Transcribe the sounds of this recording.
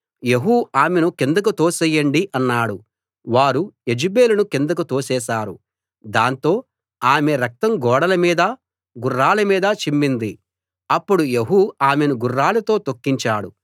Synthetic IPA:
je̞ɦuaːmenukend̪uk̬ut̪o̞ːsɛjːɐɳɖiʔɐnːaːɽu | ʋaːɾue̞d͡ʒibe̞ːlunukend̪ukut̪o̞ːsɛːʃaːɾu | d̪aːnt̪o̞ː | aːmeɾɐk̚t̪ɐŋɡɔːɽɐlɐmiːd̪ɐ | ɡurːaːlɐmiːd̪ɐt͡ʃimːind̪i | ɐpːuɽujeɦuaːme̞nuɡurːaːlɐt̪o̞ːt̪o̞kːiɲt͡ʃaːɽu

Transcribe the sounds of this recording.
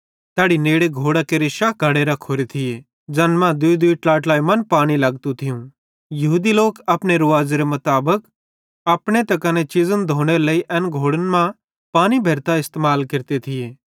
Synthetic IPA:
t̪ɛːɽineːɽeɡʱoːɽakeɾɪʃaɡʱɐɽeɾɐkʰoːɾet̪ʰɪje | d͡ʒɐnmãd̪ʊid̪uiʈlaːʈlaːimɐnpaːɽ̃ilɐɡt̪ũt̪ʰɪjũ | jɐɦuːd̪iloːkɐpneɾʊʋaːzeɾemʊt̪aːbək | ɐpɽ̃et̪ɐkɐnet͡ʃɪzənd̪ʱoːɽ̃eləiʔɛnɡʱoːɽənmã | paːñibʱeːɾt̪aɪst̪eːmaːlkɪɾt̪et̪ʰɪjeː

